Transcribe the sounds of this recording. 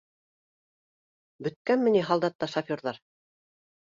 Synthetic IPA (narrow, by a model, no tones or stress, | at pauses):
bɵ̆t̪̚kænmɘ̆niɦɑlˠd̪ɑt̪ːɑʃɐfʲoɾðɑɾ